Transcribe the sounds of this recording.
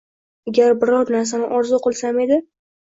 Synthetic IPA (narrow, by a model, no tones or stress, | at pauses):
aɡʲaɾbɪɾɒɾnaɾs̬anɪʔɒɾzʊqʰɒlˠsame̞d̪ɪ